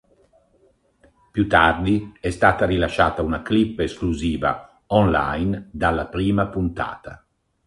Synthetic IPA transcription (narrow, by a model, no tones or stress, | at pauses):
pjut̪ːard̪iɛst̪aːt̪aɾilaʃːaːt̪aunaklipːeskluziːva̰ | ɔnla̰jnd̪alːapɾiːmapunt̪a̰ːt̪a̰